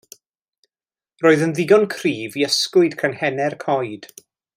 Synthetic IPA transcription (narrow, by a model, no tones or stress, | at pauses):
roːɨðənðɪɡɔnkʰriːviəskʊɨd̥kʰanhɛnɛrkʰɔjd̥